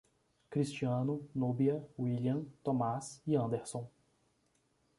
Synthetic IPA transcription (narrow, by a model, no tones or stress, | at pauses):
kɾist͡ʃiɐ̃nʊnubiɐwiliɐ̃t̪õmasiɐ̃nd̪eɾsõw̃